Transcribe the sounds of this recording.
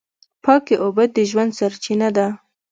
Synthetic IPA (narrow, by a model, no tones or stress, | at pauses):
pɑkeʔobad̪̚d̪əʒwand̪saɾt͡ʃinad̪a